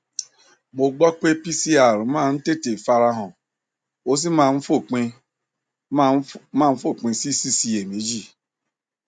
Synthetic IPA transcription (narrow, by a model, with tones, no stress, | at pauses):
ɡ͡bo˨ɡ͡bɔ˦k͡pe˦pi˦si˦a˨ɾma˦˨n̩˦te˦te˨fa˧ɾa˦ɦʊ̃˨ | o˦s̬i˦ma˦˨n̩˦fo˦˨k͡pi˦ | ma˦˨˦fo˦˨k͡pĩ˨si˦si˦si˨e˨mi˨˦d͡ʒi˦